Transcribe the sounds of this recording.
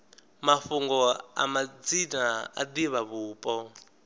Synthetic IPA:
mafuŋɡɔa̰mad͡zinaa̰d̪iβaβuːpʼɔ

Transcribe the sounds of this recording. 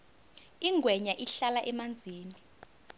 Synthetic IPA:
iŋʱwɛɲaʔiɬalaʔɛmand͡zʱiːni

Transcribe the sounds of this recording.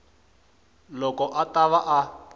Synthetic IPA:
lɔkɔʔataβaʔa

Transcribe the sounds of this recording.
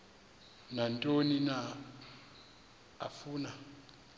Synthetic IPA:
nantʼonina | a̰fuːna

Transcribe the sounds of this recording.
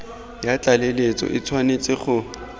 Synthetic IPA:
jat͡ɬʼalelet͡sʼɔ̰ʔɪt͡sʰwanet͡sʼɪχʊ

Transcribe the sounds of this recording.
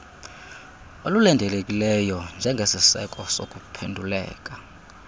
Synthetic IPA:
olulɛndʱɛlekʼilɛjɔnd͡ʒʱɛŋɡʱesisɛ̰kʼɔsokʼupʰendʱulɛ̰ːk̬ʼḁ

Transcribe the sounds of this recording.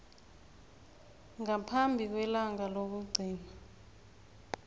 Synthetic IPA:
ŋapʰambʱik̬wɛlaŋalok̬uɡ͡ǀʱiːna

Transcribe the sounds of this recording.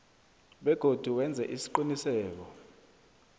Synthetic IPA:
ɓɛɡ̥ʱod̥ʱuwɛnd͡zʱɛʔisi̥ǃinisɛːk̬ɔ

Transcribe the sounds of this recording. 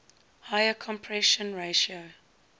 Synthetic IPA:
haɪəkʰɔ̃mpʰɹɛʃə̃nɹeʃiə

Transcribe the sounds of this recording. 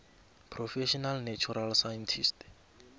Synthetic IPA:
pʰrɔfɛʃɔnalnat͡ʃʰuɾalsajɛntʰist

